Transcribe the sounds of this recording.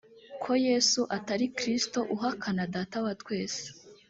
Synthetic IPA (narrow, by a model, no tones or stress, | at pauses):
kʰo̞je̞ːsuʔataɾikɾisto̞ʔuɦakʰanadaːtawatwe̞ːse̥